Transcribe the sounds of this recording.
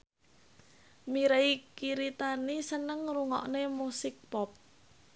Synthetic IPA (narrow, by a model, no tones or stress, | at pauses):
miɾeikiɾit̪anisənəŋɾuŋɔ̰ʔnemusɪk̚pɔp̚